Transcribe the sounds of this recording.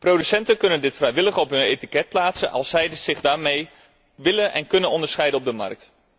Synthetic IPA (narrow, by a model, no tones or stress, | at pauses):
prowdysɛntənkɵnəndɪtfrɛjʋɪləχɔpɦɵnejtikɛt̚plaːtsənʔɑ̰lˠsɛjdəsɪχdaːɹmej | ʋɪlənʔɛ̰nkɵnənɔndəɹsχɛjdənɔb̚dəmɑ̰rk̚t